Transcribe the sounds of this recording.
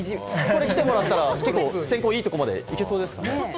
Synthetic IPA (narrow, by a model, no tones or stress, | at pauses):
ko̞ɾe̞kʲi̥t̪e̞mo̞ɾat̪ːaɾake̞kːo̞ːsẽ̞ŋko̞ːiːt̪o̞ko̞mad̪e̞̰ikesoːd̪e̞sɨ̥kane